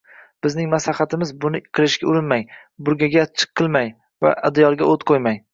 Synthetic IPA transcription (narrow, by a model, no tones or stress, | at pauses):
b̥ɪznɪŋmaslaχat̪ʰɪmɪzbʊnɪqʰɨlˠɪʃɡʲaʊɾɪnmaj | bʊɾɡʲaɡʲat͡ʃʰɨ̥qʰːɨlˠmaj | va̰ʔad̪jɒɾˠɡʲaot̪qʰojmaj